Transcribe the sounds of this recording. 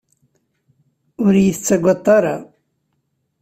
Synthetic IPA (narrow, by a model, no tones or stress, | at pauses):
ʊɾjəθt͡sːæɡʷɑt̪ˤːɑɾɑ